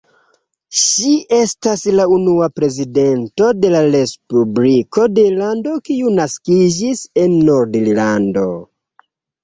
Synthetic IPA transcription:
ʃiʔe̞staslaunuapɾe̞zide̞nto̞de̞laɾe̞spubliko̞de̞lando̞kiunaskid͡ʒise̞nːo̞ɾdillando̞̰

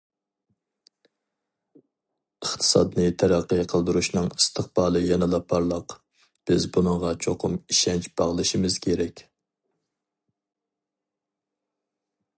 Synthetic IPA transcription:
əχt̪ʰɨ̥sɑ̰d̪nɨt̪ʰæɾæqːəqʰəlˠd̪uɾuʃnɨŋi̥st̪ʰəχb̥ɑːlˠɨjɛnɨlˠɑpʰːɑɾlˠəq | b̥ɪzbunɨŋʁɑt͡ʃʰoqʰʊmiʃɛnt͡ʃb̥ɑʁlˠɨʃimɨz̥kʲʰeɾɛkʲ

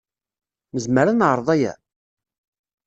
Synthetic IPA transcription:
məzməɾanʕɾˤðˤæjæ̰

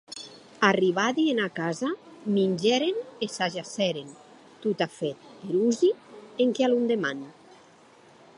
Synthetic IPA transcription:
ariβ̞aðienakazaminʲd͡ʒɛɾenesaʒasɛɾen | t̪ut̪afet̪̚iɾuzieŋkealund̪eman

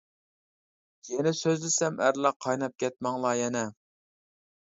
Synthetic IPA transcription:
jɛnɪsøzd̪ɪsɛmʔæɾlˠɑqʰːɑjnɑp̚kʲɛt̪̚mɑŋlˠɑjɛnɛ

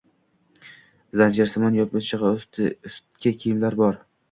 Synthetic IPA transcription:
zand͡ʒaɾsɪmanjɒpɪt͡ʃʰɪʁɑʊst̪kʲʰakʲʰijɪmlaɾbɒɾ

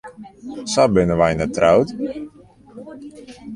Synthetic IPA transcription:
sabɪnəʋajnɛtrawt

